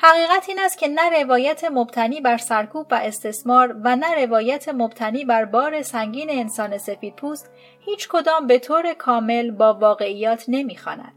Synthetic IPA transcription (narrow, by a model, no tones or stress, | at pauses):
hæɣiːɣæt̪ʰiːnæst̪̚cʰe̞næɾe̞vɒːjæt̪ʰe̞mobt̪ʰæniːbæɾsæɾkʰuːbvæʔe̞st̪e̞smɒːɾvænæɾe̞vɒːjæt̪ʰe̞mob̚t̪ʰæniːbæɾbɒːɾe̞sæŋɟiːne̞ːnsɒːne̞se̞fiːd̪̥̚pʰuːst̪ | hiːt͡ʃʰkʰo̞d̪ɒːmbe̞t̪ʰoːɾe̞kʰɒːme̞lbɒːvɒːɣe̞ijɒːt̪ʰne̞miːxɒ̰ːnæ̰d̪̥